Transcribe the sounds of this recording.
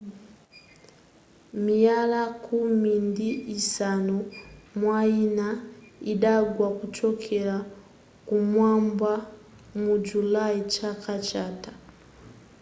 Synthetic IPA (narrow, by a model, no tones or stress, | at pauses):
mijalakʰumindiisanumwainaiɗaɡwakut͡ʃɔkʰɛla | kumwamba | mud͡ʒulait͡ʃakʰat͡ʃatḁ